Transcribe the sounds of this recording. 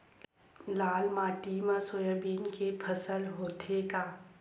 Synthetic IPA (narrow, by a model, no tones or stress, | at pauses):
laːlmaːʈimãsoːjəbiːnkepʰəsəlɦoːt̪ʰeɡaː